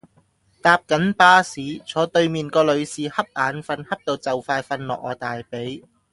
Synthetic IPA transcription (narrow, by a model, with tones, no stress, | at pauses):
t̪aː˨p̚kɐ˨˥npaː˧siː˨˥t͡sʰɔː˨˥t̪ɵ˧ɥmiː˨nkɔː˧lɵ˨˧ɥsiː˨˩hɐ˥p̚ʔaː˨˥nfɐ˧nhɐ˥p̚t̪o˧wt͡sɐ˨˩wfaː˧jfɐ˧nlɔ̰ː˨k̚ɔː˨˧t̪aː˨jpe˨˥j